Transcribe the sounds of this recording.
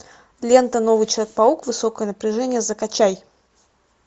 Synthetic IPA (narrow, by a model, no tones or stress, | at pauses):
lʲent̪əno̞vɨjt͡ɕlʲˠk̚pɐukvɨsokəjənəpɾʲɪʐɛnʲɪjəzəkɐt͡ɕæj